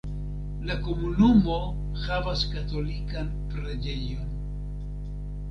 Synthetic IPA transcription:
lako̞munumo̞ | havaskato̞likan | pɾad͡ʒe̞jo̞n

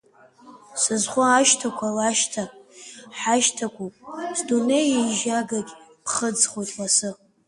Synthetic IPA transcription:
sɨzχʷaːʃtʰakʷʰalaʃtʰapʼħaʃtʰakʷʰupʼsdune̞jiʒaɡakʲpʰχəd͡zχojtʰʼlasɨ

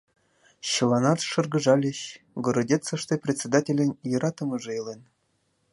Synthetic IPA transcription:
ɕɤlˠɑnɑt̪ʂɤ̆rɡɤ̆ʐɑlʲeɕ | ɡoɾodʲet̪t͡sɤ̆ʂt̪eprʲet̪ʲsʲed̪atʲelʲɘ̆nʲjɤ̆ɾʔɑt̪ɤ̆mɤ̆ʐɤ̆elˠʲen

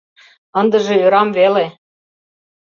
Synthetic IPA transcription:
ɤ̆nd̪ə̆ʒĕøɾɑmvele

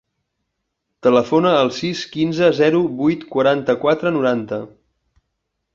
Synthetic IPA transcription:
t̪ələfonəːlˠsiskinzəzɛɾubujt̪kwəɾant̪əkwat̪ɾənuɾant̪ə

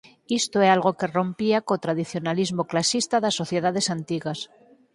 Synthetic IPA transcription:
ist̪oealɣo̞ke̞ro̞mpiakot̪ɾaðiθjo̞nalizmo̞klasist̪aðasːo̞θjeðaðe̞sant̪iɣas

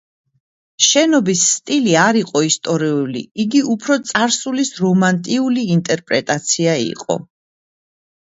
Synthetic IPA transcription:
ʃɛnɔbisːt̪ʼiliaɾiqʼɔist̪ʼɔɾiulḭiɡiupʰɾɔt̪sʼaɾsulisɾɔmant̪ʼiuliːnt̪ʼɛɾpʼɾɛt̪ʼat̪sʰiaḭqʼɔ̰

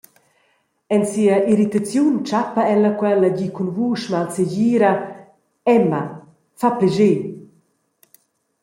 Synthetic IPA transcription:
ɛnsiːəʔiɾit̪at͡sjunt͡ʃapaɛlɐkwɛləɟikunvuːʃmalseɟiːɾɐ | ɛma | fapɛʒe

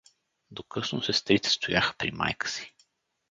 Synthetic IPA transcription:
d̪okɤsnosɛst̪ɾit̪ɛ̥st̪ojaxə̥pɾḭma̰jkə̥si̥

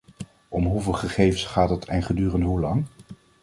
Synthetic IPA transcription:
ɔmɦuvɪːlˠχəχejvənsχaːtətʰɛnχədyːrəndɦulɑŋ

